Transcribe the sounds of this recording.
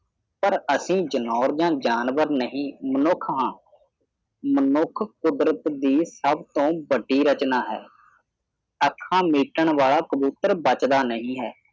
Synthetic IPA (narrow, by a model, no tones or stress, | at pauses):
pəɾəsĩːd͡ʒənɔːɾd͡ʒãːd͡ʒaːnʋəɾnəɦĩːmənʊkʰɦãː | mənʊkʰkʊd̪ɾət̪d̪iːsəbt̪õːbəɖːiːɾət͡ʃnaːɦɛ̰ː | əkʰːãːmiːʈəɳʋaːɭaːkəbuːt̪əɾbət͡ʃd̪aːnəɦĩːɦɛː